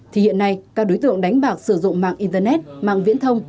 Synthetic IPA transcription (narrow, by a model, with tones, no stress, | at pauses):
t̪ʰi˨˩hḭ˧˨nːa˧jkaː˦˥k̚ɗo˨˦jt̪ɨ̰˧˨əŋɗa˨˦jŋ̟ɓaː˨˩k̚sɨ˧˩zʊ̰˧˨ŋ͡mma̰ː˧˨ŋʔi˧nt̪ə˧nɛ˦˥t̚ma̰ː˧˨ŋvḭ˧˥ənt̪ʰə˧wŋ͡m